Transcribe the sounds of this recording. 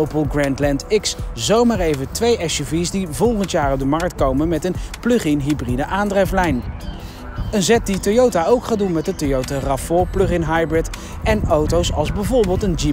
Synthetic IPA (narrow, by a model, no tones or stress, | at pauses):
opəlˠɡrɛntlɛntɪkszowmaːɹejvətʋejʔɛʃovisdivɔlˠχəntjaːɹɔp̚dəmɑɹk̚tkowmənmɛtənplɵχɪnɦibridəʔaːndrɛflɛjn | ənzɛt̚ditojowtaowkχaːdunmɛt̚dətojowtarɑfʊːɹplɵχɪnɦajbɹɪt | ɛnowtowsɑlˠzbɛvʊɹbeːlˠtənd͡ʒi